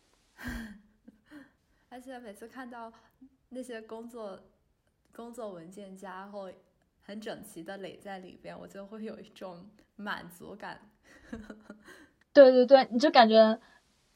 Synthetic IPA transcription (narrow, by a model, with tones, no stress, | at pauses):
ə˞˧˥t͡ɕʰjɛ˨˩˥me˨˩ɪt͡sʰɹ̩˥˧kʰa˥˧nt̪ɑ˥˧ʊna˥˩ɕjɛ˥kʊ˥ŋt͡swɔ˥˩ | kʊ˥ŋt͡swɔ˥˩wə˧˥nt͡ɕjɛ˥˩nt͡ɕja˥xo˥˩ʊ | xə˧˥nʈ͡ʂɤ˨˩ŋt͡ɕʰi˧˥d̪ə˧le˨˩ɪt͡sa˥˩ɪlḭ˨˩pjɛ˥nwɔ̰˨˩t͡ɕjo˥˧ʊxwe˥˩ɪjo˨˩ʊi˥˩ʈ͡ʂʊ˨˧˥ŋ | ma̰˨˩nt͡sṵ˧˥ka̰˨˩˦n | t̪we˥˧ɪt̪we˥˧ɪt̪we˥˩ɪni˨˩t͡ɕjo˥˩ʊka˨˩nt͡ɕɥɛ˧˥